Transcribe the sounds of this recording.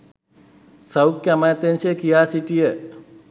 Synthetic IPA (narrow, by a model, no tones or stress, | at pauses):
sɐwkjamat̪ensekijaːsiʈijə